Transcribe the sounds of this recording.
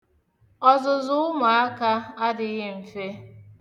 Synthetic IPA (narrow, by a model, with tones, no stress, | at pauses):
ɔ˦zʊ˨zʊ˦ʊ˦ma˨a˦ka˦a˦dɪ˨˦ɣɪ˦m̩˨fe˦